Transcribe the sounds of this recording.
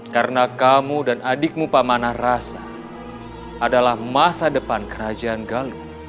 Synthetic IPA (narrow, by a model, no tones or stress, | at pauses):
karnakamudanadɪk̚mupamanahrasa | ʔadalahmasadəpankəɾad͡ʒaːnɡalu